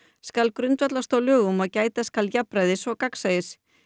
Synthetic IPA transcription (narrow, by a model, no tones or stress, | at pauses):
skalkɾʏnt̪vat̪last̪owlʏːɣʏmɔðcaːjt̪askaljapɾajðɪsɔɣkaksajðɪs